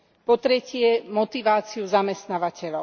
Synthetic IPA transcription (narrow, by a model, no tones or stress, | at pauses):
pɔt̪ɾɛcɪɛmɔt̪iʋaːt͡siuzamɛst̪naːʋacɛʎɔʊ